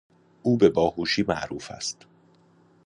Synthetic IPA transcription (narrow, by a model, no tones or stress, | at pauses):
ʔuːbebɒːhuːʃiːmæ̰ʔɾuːfæ̰st̪